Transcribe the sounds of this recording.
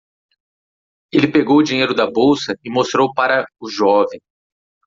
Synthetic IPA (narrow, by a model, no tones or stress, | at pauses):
elɪpeɡowʊd͡ʒiɲejɾʊd̪ɐbowsɐɪmost̪ɾowpaɾɐʊʒɔvẽj̃